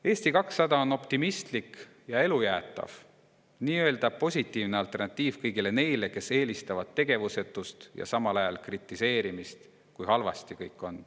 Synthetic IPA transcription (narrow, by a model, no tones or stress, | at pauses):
e̞ːsʲt̪ikɑksːɑd̪ɑono̞pt̪imist̪lik | jɑe̞lujæːt̪ːˑɑ̰v̥ | niːø̞ːld̪ɑb̚po̞sʲit̪ːˑiːvneɑlt̪ˑe̞rnɑt̪ˑːiːv̥kɤjɡile̞ne̞jle̞ke̞se̞ːlist̪ɑvɑd̪̥̚t̪ːe̞ɡ̥e̞vuse̞t̪ːˑust̪jɑ̰sɑmɑlɑjɑlkrit̪ːˑise̞ːɾimist̪ | kujhɑlvɑ̰st̪ikɤjkːˑo̞n